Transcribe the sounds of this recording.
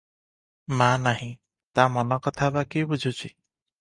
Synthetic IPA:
mãnaɦĩ | t̪amɔnɔkɔt̪ʰabakibud͡ʒʱut͡ʃʰi

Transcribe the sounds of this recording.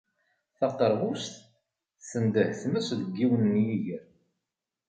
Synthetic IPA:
θɑqəɾˤʁust̪ | sənd̪əhθməsðəɡːiwənːjiʝəɾ

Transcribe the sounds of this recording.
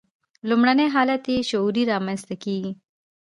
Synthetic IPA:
lumɽaneɦɑːlat̪eʃʊuɾiɾɑmãnst̪akiːɡi

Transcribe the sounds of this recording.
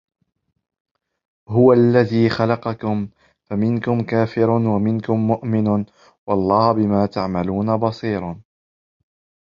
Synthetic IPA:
hʊwaʔlːaðiːxalɑqɑkʊm | famɪnkʊmkaːfɪɾnwamɪnkʊmːʊʔmɪn | wɑʔlˤːɑːhʊbɪmaːt̪aʕmaluːnabɑsˤiːɾˤɑ

